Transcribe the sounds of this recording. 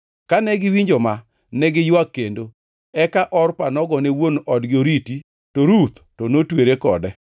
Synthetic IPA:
kanɛɡɪwiɲd͡ʒoma | nɛɡɪjwakːendo | ɛkaʔɔrpanɔɡɔnewonɔdɡɪoɾiti | toɾut̪tɔnotweɾekɔ̰dɛ

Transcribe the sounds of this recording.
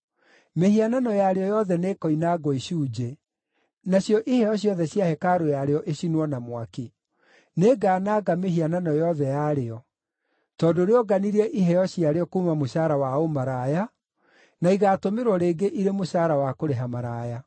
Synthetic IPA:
mehiananɔjaɾeɔjɔðɛnekɔinaɡɔiɕuːd͡ʑe | naɕjɔʔihɛɔɕ̬jɔðɛɕjahɛkaɾojaɾeɔʔeɕinwɔnamwaki | neɡaːnaːɡameɦiananɔjɔðɛjaɾeɔ | tɔːdoɾeɔɡaniɾiɛʔiɦɛjɔɕiaɾeɔkuːmamoʃaːɾawaomaɾaːja | naiɣaːtomeɾwɔɾeːɡeʔiɾemoʃaːɾawakoɾeɦamaɾaːja

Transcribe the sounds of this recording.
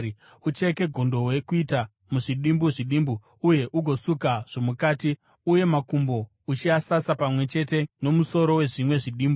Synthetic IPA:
ut͡ʃeke̞ɡʱondo̞we̞kuita | muʐiɗimbuʐiɗiːmbu | uje̞ʔuɡʱo̞sukaʐ̥omukaːti | uje̞makumbo̞ | ut͡ʃiasasapamwe̞t͡ʃe̞te̞no̞muso̞ɾo̞we̞ʐimwe̞ʐiɗiːmbu

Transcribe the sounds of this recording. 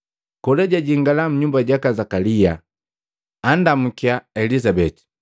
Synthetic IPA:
kɔlɛɟaɟiŋɡalam̩ɲumbaɟakazakalia | andam̩kiaɛlizabɛti̥

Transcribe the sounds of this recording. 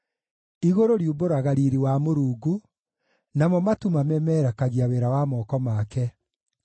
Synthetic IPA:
iɣoɾoɾiuboɾaɣaɾiɾiwamoɾuːɡu | namɔmatumamɛmɛːɾakaɣiaweɾawamɔːkɔmaːkɛ

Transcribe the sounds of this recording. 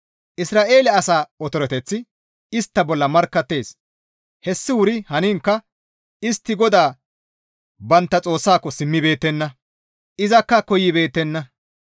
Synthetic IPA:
ʔɪsɾaːʔe̞ːlɛɐsaːɔt̪ɔɾɔt̪ɛt͡sːɪ | ɪst̪ːɐbɔlːɐmɐɾkːɐt̪ːe̞ːs | hɛsːɪwʊɾɪhɐniːŋkːɐ | ɪst̪ːɪɡɔd̪aː | bɐnt̪ːɐt͡sʼo̞ːsːaːkːɔsɪmːɪbe̞ːt̪ːɛnːɐ | ʔɪzɐkːɐkɔjːɪbe̞ːt̪ːɛnːɐ

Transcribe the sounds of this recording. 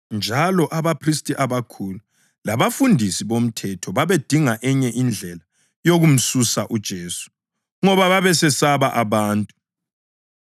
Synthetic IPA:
nd͡ʒʱalɔʔaβapʰristʼiʔaβakʰulu | laβafundʱisiβom̩tʰɛtʰɔβaβed̥ʱiŋaʔɛɲɛʔind͡ɮʱɛla | joɣum̩susaʔud̥ʒ̥ʱeːsu̥ | ŋɔβaβaβɛsɛsaβaʔaβaːntʼu

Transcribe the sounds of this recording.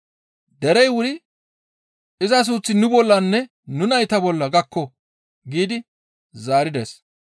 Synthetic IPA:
d̪ɛɾɛjwʊɾɪ | ɪzɐs̬uːt͡sːɪnʊbɔlːɐnːɛ | nʊnɐjt̪ɐbɔlːɐɡɐkːɔ | ɡiːd̪ɪ | zaːɾɪd̪ḛːs

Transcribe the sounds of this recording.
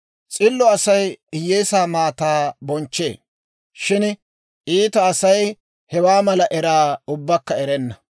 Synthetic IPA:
t͡sʼɪlːɔɐsɐjɪjːeːsaːmaːt̪aːbɔnt͡ʃːe̞̰ː | ʃɪn | ʔiːt̪ɐːsɐj | hɛwaːmɐlɐʔɛɾaːʊbːɐkːɐɛɾɛnːɐ

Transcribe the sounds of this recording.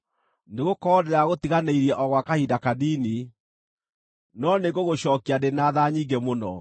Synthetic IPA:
neɣokɔdɛɾaɣot̪iɣaneiɾiɛʔɔɣwakahidakadiːni | nɔneɣoɣoɕɔːkiadenaðaɲiɡɛmonɔ̰

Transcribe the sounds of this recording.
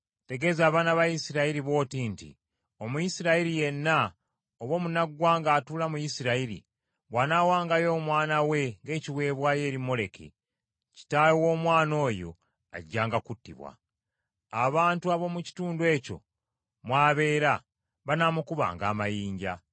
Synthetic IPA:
te̞ɡe̞ːzaːβaːnaβajisiɾaiɾiβo̞ːtintḭ | o̞mujisiɾaiɾije̞nːa | oβo̞ːmunaɡwaːŋɡaːtuːlamujisiɾaiɾḭ | βwaːnawaːŋɡajo̞ːmwaːnawe̞ŋɡe̞ːciwe̞ːβwaːje̞ːɾimo̞le̞kʰḛ | ci̥taːjowo̞ːmwaːno̞ːjo̞̰ | a̰ɟːaːŋɡakutːḭβwa̰ | aβaːntuaβo̞muci̥tuːnduwe̞co̞̰ | mwaːβe̞ːɾa | βanaːmukuβa̰ːŋɡaːmajiːɲɟa̰

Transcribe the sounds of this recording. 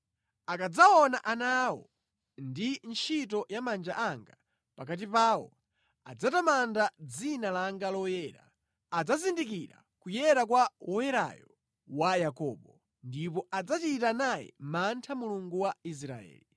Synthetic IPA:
akad͡zaɔnaʔanawɔ̰ | ndint͡ʃʰitɔjamand͡ʒaʔaŋɡa | pakat̬ipaːwɔ̰ | a̰d͡zatamandad͡zinalaŋɡalɔjɛːɾa̰ | ad͡zazindikiɾa̰ | kujɛɾak̬wawɔjɛɾa̰jɔ | wajakɔɓɔ | ndipɔad͡zat͡ʃitanajɛ̰mantʰamuluŋɡuwais̬ɾa̰ɛ̰ːli

